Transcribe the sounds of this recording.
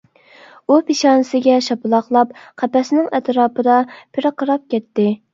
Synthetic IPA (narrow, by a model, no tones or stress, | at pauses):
upeʃɑːnɨsɪɡʲɛʃɑpɨlˠɑχlˠɑp̚qʰɛpɛsnɪŋɛt̪ɾɑːpʰɨd̪ɑpʰɪɾɨqəɾɑp̚kʲɛt̪ːɪ